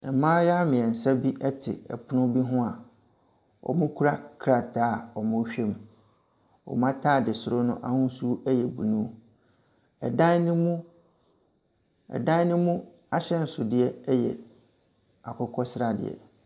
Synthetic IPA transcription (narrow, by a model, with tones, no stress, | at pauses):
ɛ˨mãː˦ja˦mɪ̃˨ɛ˨n̩˨sa˦bi˦ʔɛ˦tʰɪ˨ɛ̰˨pʰʊ˦nʊ̃˦bi˦ɦʊ̃˦a˨ | ɔ̰˨mʊ̃˦kʰu˦ɾa˦kʰɾa˨tʰaː˦˨ɔ˨mʊ̃˦ɕᶣe˦m | ɔ̰˨mã˦tʰaː˦˨dɪ˨sʊ˨ɾʊ˦nʊ̰̃˦ʔa̰˨hʊ̃˦su˦ɛ˦jɛ˨bu˨nũ˦ | ɛ̰˨dã˦n˦nʊ̃˦mũ˦ | ɛ̰˨dã˦nʊ̃˦mũ˦ | a˦ɕɛ˦n̩˨sʊ˨dɪ˨ɛ˦ɛ˦jɛ̰˨ | a˨kʰʊ˦kʰɔ˦sɪ˦ɾa˨dɪ̰˨ɛ̰˨